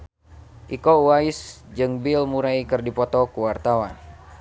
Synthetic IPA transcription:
ʔikɔuwaisd͡ʒɨŋbilmuɾaikɨrdipɔt̪ɔkuwart̪awan

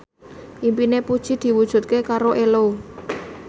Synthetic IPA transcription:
ʔimpinepud̥ʒ̥i̤d̪̥i̤wud̥ʒ̥ṳt̪̚kekaɾoʔelo

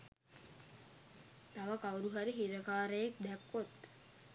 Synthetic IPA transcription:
t̪aʋəkawɾuɦaɾiɦiɾəkaːɾəjek̚d̪ɛkːot̪

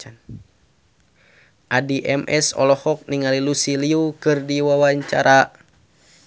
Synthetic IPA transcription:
an | ʔadiʔɛmʔɛsɔ̰lɔhɔk̚niŋalilusiliukɨrdiwawaɲt͡ʃa̰ɾa

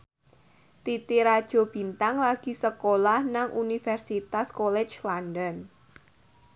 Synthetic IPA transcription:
t̪it̪iɾad̥ʒ̥ɔ̤b̥i̤nt̪aŋlaɡ̥i̤səkolahnaŋʔunifɛrsit̪askolɛ̥d͡ʒlandɔn

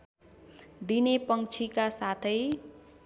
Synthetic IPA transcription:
d̪inepʌŋt͡ʃʰikasat̪ʰʌj

